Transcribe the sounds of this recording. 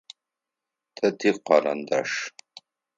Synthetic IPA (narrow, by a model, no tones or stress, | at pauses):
tʰɐtʰiːqɑɾɐ̰nda̰ʂ